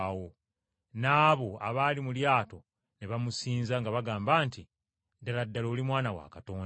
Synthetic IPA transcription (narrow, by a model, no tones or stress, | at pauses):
wo | naːβo̞a̰βaːlimuljaːto̞ | neβamusiːnzaŋɡaβaɡaːmbaːnti | daladːaloːlimwaːnawa̰kato̞ːn